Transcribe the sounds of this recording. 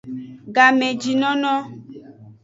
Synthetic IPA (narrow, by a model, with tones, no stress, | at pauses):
ɡa˨mẽ˨d͡ʒi˨nɔ̃˦nɔ̃˦